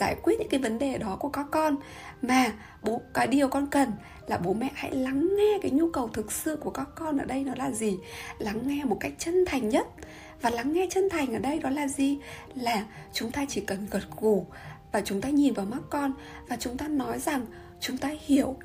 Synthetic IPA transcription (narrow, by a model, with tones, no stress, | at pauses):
za̰ː˧˩jkwi˦˥t̚ɲɨ̰˧˥kːvə˨˦nɗe˨˩ɗɔ˨˦ku˧˩əkaː˦˥kːɔ˧n | maː˨˩ | ɓo˨˦kaː˨˦jɗi˨˩əwkɔ˧nkə˨˩n | laː˨˩ɓo˨˦mɛ̰˧˥ha̰˧˥jla˨˦ŋːɛ˧kaː˨˦jɲu˧kə˨˩wt̪ʰɨ˨˩k̚sɨ̰˧˨ku˧˩əkaː˦˥kːɔ˧nʔəː˧˩ɗə˧jnɔ˨˦laː˨˩zi˨˩la˨˦ŋːɛ˧mo˨˩t̚ka˦˥jk̟̚t͡ɕə˧nt̪ʰa˨˩jŋ̟ɲə˦˥t̚ | vaː˨˩la˨˦ŋːɛ˧t͡ɕə˧nt̪ʰa˨˩jŋ̟ʔəː˧˩ɗə˧jɗɔ˨˦laː˨˩zi˨˩ | laː˨˩t͡ɕʊ˨˦ŋ͡mt̪aː˧t͡ɕi˧˩kə˨˩nɣə˨˩t̚ɣu˧˩ | vaː˨˩t͡ɕʊ˨˦ŋ͡mt̪aː˧ɲi˨˩nvaː˨˩ma˦˥t̚kɔ˧n | vaː˨˩t͡ɕʊ˨˦ŋ͡mt̪aː˧nɔ˨˦jza˨˩ŋ | t͡ɕʊ˨˦ŋ͡mt̪aː˧hi˧˩˨əw